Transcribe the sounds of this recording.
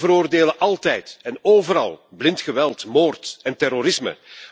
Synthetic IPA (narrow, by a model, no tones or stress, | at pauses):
vəɾoːrdeːləʔɑlˠtɛjtɛnoːvəɾɑ̰lˠblɪntxəʋɛlˠtmoːrtɛntɛroɾɪsmə̰